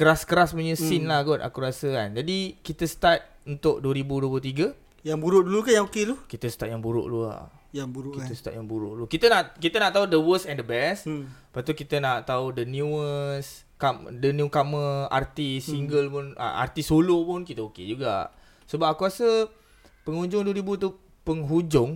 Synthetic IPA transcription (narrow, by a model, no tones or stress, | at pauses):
kəɾaskəɾaspuɲəsinlahɡɔt̪a̰kuɾasəkand͡ʒadikit̪əsə̥t̪at̪̚ | unt̪ʊʔduwəɾibuduwəp̬lut̪̬iɡə | jaŋbuɾʊʔdulukanjaŋokelukit̪əsə̥t̪at̪̚jaŋbuɾʊ̰ʔlua̰ | abuɾkit̪əsət̪a̰t̪̚jaŋbuɾʊ̰ʔlukit̪ənaʔkit̪ənaʔt̪audəwəsɛ̃ndəbɛspat̪̬ukit̪ənaʔt̪audənjuəs | kadənjukaməa̰rt̪isiŋɡəlpʊnə̰a̰rt̪isolopʊnkit̪əoked͡ʒuɡa̰ʔ | səbapakuasə | pəŋud͡ʒʊŋduwəɾibut̪u | pəŋɦud͡ʒʊŋ